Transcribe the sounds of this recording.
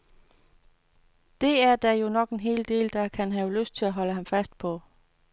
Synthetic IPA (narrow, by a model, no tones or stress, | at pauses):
d̥e̝æɐd̥æjo̝nɒ̽ɡ̥e̝nɦe̝̰ːld̥e̝̰ːld̥ɑ̈kʰænɦæʊløsd̥̚t͡sʰe̝læɦɒ̽ləɦɑ̈mfæsd̥̚pʰɒ̽